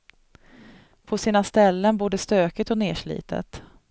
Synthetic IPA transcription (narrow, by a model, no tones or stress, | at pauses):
pʰɔsiːnast̪ɛlːənboːɖ̪əst̪øːkət̪ɔnḛːʂɭḭːt̪ʰə̰t̪